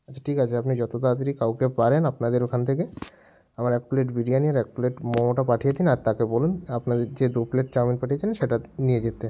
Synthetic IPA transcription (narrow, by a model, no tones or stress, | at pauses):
at͡ɕʰḁʈʰikat͡ɕʰeapnid͡ʑɔt̪ot̪at̪ɾikawkepaɾenapnad̪eɾokʰant̪ʰek̬e | amaɾɛk̚puleʈbiɖijaniaɾɛk̚puleʈmɔmoʈapaʈʰijed̪inaɾt̪akebɔlunapnad̪eɾd͡ʑed̪upleʈ̚t͡ɕaminpaʈʰijet͡ɕʰinnʃeʈanijed͡ʑet̪ːe